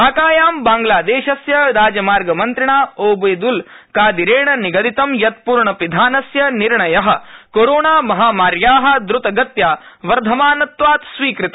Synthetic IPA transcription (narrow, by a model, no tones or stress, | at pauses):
aːkaːjaːmbaːŋɡlaːd̪eːʃɐsjɐɾaːd͡ʒɐmaːɾɡɐmɐnt̪ɾiɳaːoːbɐjd̪ul | kaːd̪iɾeːɳɐniɡɐd̪it̪ɐmjɐt̪̚puːɾɳɐpid̪ʱaːnɐsjɐniɾɳɐjɐɦɐ̆koɾoːɳaːmɐɦaːmaːɾjaːɦɐ̆d̪ɾut̪ɐɡɐt̪jaːʋɐɾd̪ʱɐmaːnɐt̪ʋaːt̪sʋiːkɾit̪ɐ